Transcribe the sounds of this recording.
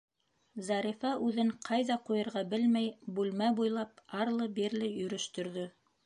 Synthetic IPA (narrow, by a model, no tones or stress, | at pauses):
zɑɾifɑʔʉðɘɴqʰɑjðɑqujɤ̆ɾʁɑbɘlmæjbʉlmæbujlˠɑp̚ɑɾlˠɤbiɾlɘjɵ̆ɾɵ̆ʃt̪ɵ̆ɾðɵ